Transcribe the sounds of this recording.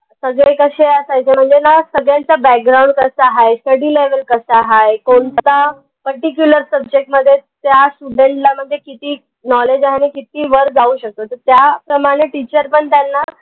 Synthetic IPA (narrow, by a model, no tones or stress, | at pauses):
səɡɭekəɕeəsajt͡sem̤əɳd͡zenasəɡɭjãnt͡sabæk̚ɡɾawɳɖkəsaɦajsʈəɽiːleʋəlkəsaɦajkoɳt̪t̪a | pəɾʈikjuləɾsəbd͡ʑek̚ʈməd̪ʱːjet̪jasʈuɖẽɳʈlam̤əd̪ʱːjekit̪iː | nɔled͡ʑanekit̪iːʋəɾd͡zauːɕək̚t̪ot̪əɾt̪japɾəmaɽ̃eʈit͡ɕəɾpəɳt̪janːa